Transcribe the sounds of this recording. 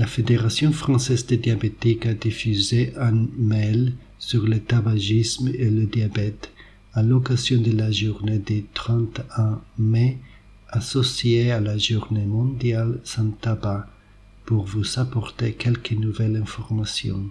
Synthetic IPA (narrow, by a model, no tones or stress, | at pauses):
lafed̪eʁasjɔ̃fχɑ̃sɛzd̪əd̪jabet̪ikad̪ifyzeʔãnmɛl | syʁlət̪abaʒismeləd̪jabɛt̪ | alɔkazjɔ̃d̪əlaʒuʁned̪et̪χɑ̃t̪ɛ̃me | asɔsjealaʒuʁnemɔ̃d̪jalsɛ̃t̪aba | puʁvuzapɔʁt̪ekɛlkənuvɛlɛ̃fɔʁmasjɔ̰̃